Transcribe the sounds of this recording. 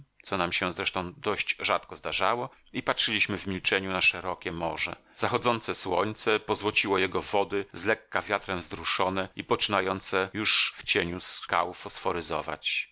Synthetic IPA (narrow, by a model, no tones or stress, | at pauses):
t̪sɔnamɕɛzɾɛʂt̪ɔ̃w̃d̪ɔʑd͡ʑʐat̪kɔzd̪aʐawɔ | ipatʂɘlʲiɕmɘvmʲilt͡ʂɛɲunaʂɛɾɔkʲɛmɔʐɛ̰ | z̥axɔd̪zɔnt̪sɛswɔɲt̪sɛpɔzwɔt͡ɕiwɔjɛɡɔvɔd̪ɘzlɛkːavʲjat̪ɾɛmzɾuʂɔnɛipɔt͡ʂɘnajɔnt̪sɛjuʂft͡ɕeɲuska̰wfɔsfɔɾɘzɔ̰va̰t͡ɕ